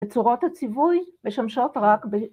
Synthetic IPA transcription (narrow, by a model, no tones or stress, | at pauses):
et͡suʁo̞that͡sivujme̞ʃamʃo̞tʁakbe